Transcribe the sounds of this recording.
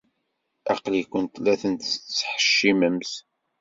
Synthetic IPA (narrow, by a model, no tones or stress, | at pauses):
ɑqlikʷːənt̪læθənt̪t͡sːħə̥ʃːiməms